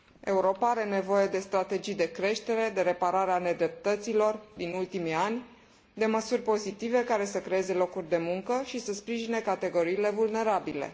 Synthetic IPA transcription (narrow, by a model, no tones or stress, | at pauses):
e̞uɾo̞paaɾe̞ne̞vo̞je̞d̪e̞st̪ɾat̪e̞d͡ʒijd̪e̞kɾe̞ʃt̪e̞ɾe̞d̪e̞ɾe̞paɾaɾeane̞d̪ɾe̞p̚t̪ət̪silo̞rd̪inult̪imianʲ | d̪e̞məsurʲpo̞zit̪ive̞kaɾe̞səkɾe̞e̞ze̞lo̞kurʲd̪e̞muŋkəʃisəspɾiʒine̞kat̪e̞ɡo̞ɾiːle̞vulne̞ɾabile̞̰